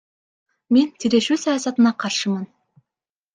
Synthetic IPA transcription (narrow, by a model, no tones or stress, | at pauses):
me̞nt̪ʰiɾe̞ʃʉsɑjɑsɑt̪ənɑqʰɑɾʃəmɤn